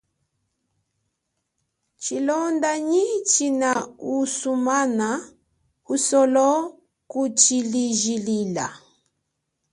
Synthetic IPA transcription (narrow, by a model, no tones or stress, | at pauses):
t͡ʃilɔndaɲit͡ʃinausumana | usɔlɔ | kut͡ʃiliʒilila̰